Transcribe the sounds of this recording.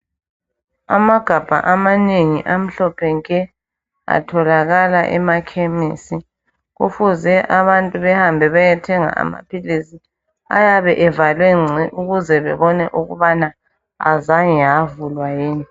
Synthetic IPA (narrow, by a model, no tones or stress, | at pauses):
a̰maɡ̥ʱab̥ʱa̰ʔamaneŋiʔam̩ɬɔpʰɛŋkʼɛ | a̰tʰɔlaɣalaʔɛ̰makʰemisi | ɣufuzɛʔaβantʼuβɛhambʱɛβajɛtʰɛŋa̰ʔa̰ma̰pʰilisi | a̰jaβɛʔɛvalwɛŋ͡ǀʱiʔuɣuzɛβɛβɔnɛʔuɣuβana | a̰zaŋijavulwajiːni